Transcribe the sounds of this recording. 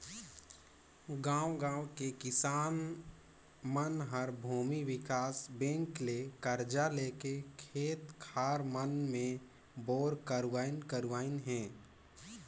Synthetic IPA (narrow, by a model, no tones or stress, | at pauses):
ɡãːwɡãːwkekɪsaːn | mənɦəɾbʱuːmiwɪkaːsbẽːŋklekəɾd͡ʒaleːkekʰeːt̪kʰaːɾmənmẽ | boːɾkəɾwaːɪnkəɾʋaːɪnɦɛ̃ː